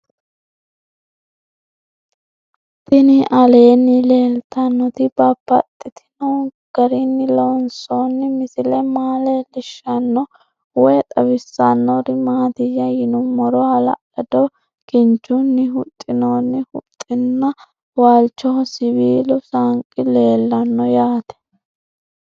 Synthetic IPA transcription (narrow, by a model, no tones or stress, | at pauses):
t̪ɪnɪʔɐle̞ːnːɪle̞ːlt̪ɐnːɔt̪ɪbɐpːɐt̪ʼːɪt̪ʰɪ̥no | ɡ̥ɐɾɪnːɪlɔnso̞ːnːɪmɪsɪlɛmaːlɛlɪʃːɐnːɔ | wɔjt̪ʼɐbɪsːɐnːɔɾɪmaːt̪ɪjɐjɪnʊmɔɾɔhɐlɐ̰ʔɐd̪ɔ | kɪnt͡ʃːʊnːɪɦʊt̪ʼːɪnoːnːɪhʊ̰t̪ʼːɪnːɐ | waːlt͡ʃːɔsɪbiːlʊsaŋkʼːɪle̞ːlːɐnːɔjaːt̪ɛ̥